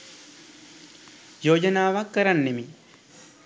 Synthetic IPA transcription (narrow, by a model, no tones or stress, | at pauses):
joːd͡ʒɐnaːʋakːɐɾɐnːemi